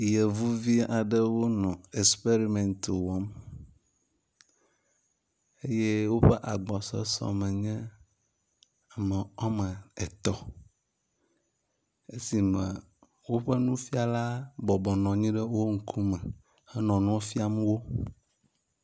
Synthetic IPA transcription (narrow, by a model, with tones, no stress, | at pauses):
je˨vu˦vi˦a˨ɖə˦wo˦nɔ̃˨e˨spe˦ɾi˨mɛ̃˨nt̪wɔ˨˦m | e˦je˦wo˦ɸɛ˦ʔa˨ɡ͡bɔ˨sɔ̰˦sɔ̰˨mɛ̃˨ɲɛ̃˦ | a˨mɛ̃˨ɔ˦mə̃˨ɛ˨t̪ɔ˦ | e˦si˨mɛ̃˨ | wo˦ɸɛ˦nũ˦fi˦a˨la˦bɔ˨bɔ˨nɔ̃˨ɲĩ˦ɖə˦wo˦ŋ̩˨kʰu˦mɛ̃˨ | ɛ˦nɔ̃˨nũ˦fi˦a˨me˦wo˦